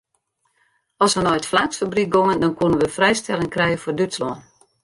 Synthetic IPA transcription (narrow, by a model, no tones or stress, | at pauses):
ɔsʋənɔjtflaːksfabrik̚ɡoŋəndɔnkunənʋəfrɛjstɛlɪəŋkrɛjəfordytslɔən